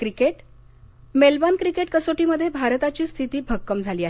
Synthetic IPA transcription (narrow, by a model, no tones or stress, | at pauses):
kɾikeʈ | melbankɾikeʈ̚kəsoʈiːməd̪ʱːjebʱaɾt̪at͡ɕiːst̪ʰit̪iːbʱəɡ̚ːəmd͡zʱaliːaɦ